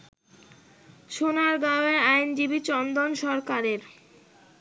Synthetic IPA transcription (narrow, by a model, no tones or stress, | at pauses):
ʃonaɾɡaoeɾajnd͡ʑibit͡ɕɔnd̪onʃɔɾkaɾeɾ